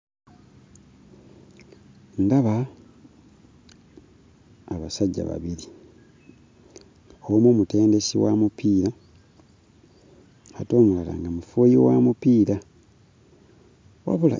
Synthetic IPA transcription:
ndaβa | aβasaɟːa̰βa̰βiɾi | omumute̞ːnde̞siwamupiːɾa | ato̞ːmuala̰ŋɡamufojiwamupiːɾa | wa̰βula̰

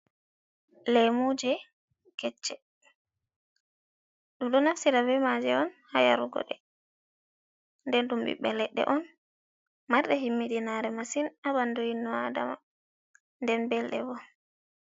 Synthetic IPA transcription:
lɛmud͡ʒɛ | kɛt͡ʃːɛ | ɗumɗɔnafsiɾavɛmad͡ʒɛɔnhaja̰ɾuɡɔ̰ɗɛ | ndɛnɗumbḭɓɛlɛɗːɛ̰ʔɔn | maɾɗɛɦimːiɗinaɾɛmasinabandojinːɔada̰ma̰ | ndɛnbɛlɗɛbɔ

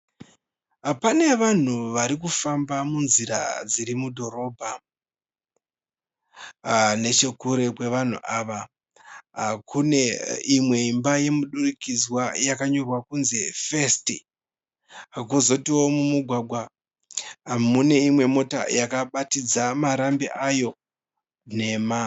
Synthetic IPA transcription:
pane̞ʋan̤uʋaɾikufambamunziɾa̰d͡ziɾimudʱo̞ɾo̞ːbʱa | ne̞t͡ʃe̞kuɾe̞kwe̞ʋan̤ṵʔaːʋa | ɦkʰuneimwe̞imbaje̞muɗurikizwajakaɲo̞rwakunzefe̞sti | kuzo̞tiwo̞mumuɡʱwaɡʱwa | mune̞imwe̞mo̞ta̰jakaɓatid͡zamaɾambiʔajo̞ | ne̞ma

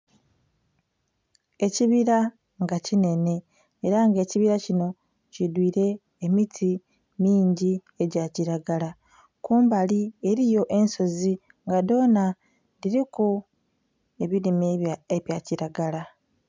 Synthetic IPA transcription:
e̞ciβiɾa | ŋɡacine̞ne̞ː | ɾaŋɡe̞ːciβiɾacino̞ | cidwiːɾe̞ː | mitʰi | miːɲɟi | eɟaciɾaɡala | kuːmbalie̞ɾijo̞ʔe̞nso̞zi | ŋɡado̞ːna | diɾiko | e̞βiɾimeβjaciɾaɡala

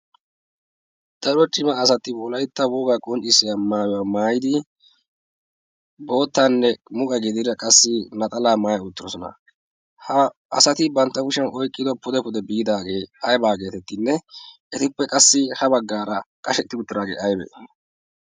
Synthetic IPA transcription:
d̪̥ɐɾɔt͡ʃʼɪmɐːsɐt̪ːɪbɔlɐjɪt̪ːɐwoːɡaːkʼɔnt͡ʃʼːɪsːɪjamaːjɔwamaːjɪd̪ɪ | bo̞ːt̪ːanːɛmʊkʼɐɡɪd̪ɪɾɐkʼɐsːɪnɐt̪ʼɐlaːmaːjɐʊt̪ːɪɾɔsɔnɐ̰ | hɐ | ɐ̰sɐt̪ɪbɐnt̪ːɐɡʊʃɐnʔɔjkʼːɪd̪ɔpʊd̪ɛpʊd̪ɛbɪjɪd̪aːɡe̞ːɐjbaːɡe̞ːt̪ɛt̪ːɪnːɛʔɛt̪ɪpːɛkʼɐsːɪhɐbɐɡːaːɾɐkʼɐʃɛt̪ːɪɡʊt̪ːɪd̪aːɡḛːʔɐjbɛ̰

